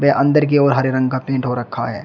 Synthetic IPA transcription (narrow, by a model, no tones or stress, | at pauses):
beʔɐ̃nd̪əɾk̬ioːɾɦɐɾeɾɐ̃ŋɡkapẽːɳʈɦoɾɐkʰːa̰ɦɛ̰ː